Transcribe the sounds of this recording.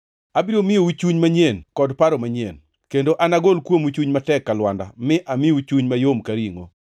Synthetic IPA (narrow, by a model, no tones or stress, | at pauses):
abiɾomɪowut͡ʃuɲmaɲɛnkɔdpaɾomaɲḛn | kendoʔanaɡolkwomwut͡ʃuɲmatɛkːalwanda̰mɪʔamɪut͡ʃuɲmajomkaɾiŋo̰